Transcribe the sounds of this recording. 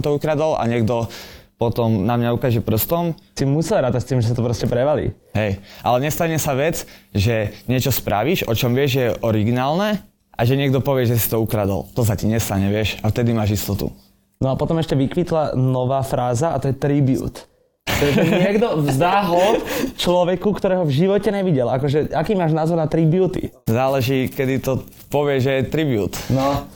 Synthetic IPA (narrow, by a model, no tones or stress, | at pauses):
mt̪ɔukɾad̪alʔa̰ɲɛɡd̪ɔpɔt̪ɔmnamɲaukaːʒɛpr̩st̪ɔmsimusɛlɾaːt̪act̪iːmʒɛs̬at̪ɔpɾɔscɛpɾɛʋalḭː | ɦɛjʔa̰lɛɲɛst̪aɲɛsaʋɛd͡zʒɛɲɪɛt͡ʃɔspɾʔaʋiʒʔɔt͡ʃɔmʋɪɛʒʒɛjɛʔɔɾiɡinaːlnɛ | ʔaʒɛɲɪɛɡ̚d̪ɔpɔʋɪɛʒɛsi̥t̪ɔukɾad̪ɔ̰lt̪ɔs̬aciɲɛst̪aɲɛʋɪɛʃaft̪ɛd̪imaːʒist̪ɔt̪ṵ | nɔapɔt̪ɔmɛʃcɛʋikʋit̪lanɔʋaːfɾaːzaat̪ɔjɛt̪ɾibjṵːt̪ | t̪ɔaɲɪɛɡd̪ɔzd̪aɦɔt͡ʃlɔʋɛkukt̪ɔɾɛːɦɔvʒiʋɔcɛɲɛʋiɟɛlakɔʒɛakiːmaːʒnaːzɔɾnat̪ɾibɪjuːt̪ḭ | zaːlɛʒiːkɛd̪it̪ɔ | pɔʋɪɛʒɛjɛt̪ɾibjṵːt̪nɔ